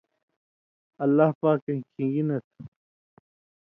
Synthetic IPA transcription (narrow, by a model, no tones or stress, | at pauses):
ɐlːahpaːkːɐnkʰĩɡinɐt̪ʰ